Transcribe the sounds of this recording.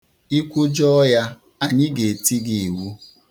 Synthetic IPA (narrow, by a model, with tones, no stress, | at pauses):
i˦kʷʊ˦d͡ʒɔ˦ja˦ | a˨ɲɪ˦ɡe˨ti˦ɡi˨i˨wu˦